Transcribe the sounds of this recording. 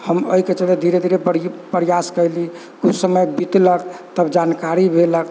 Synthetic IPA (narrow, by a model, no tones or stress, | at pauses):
həmə̰iket͡ʃəled̪ʱiɾed̪ʱiɾepəɾjaskəjli | kut͡ʃʰsəməjbit̪ləkt̪əbd͡ʒankaɾibʱelək